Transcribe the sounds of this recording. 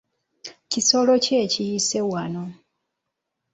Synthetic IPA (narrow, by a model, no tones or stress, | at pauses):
ciso̞lo̞ce̞ːcijise̞wano̞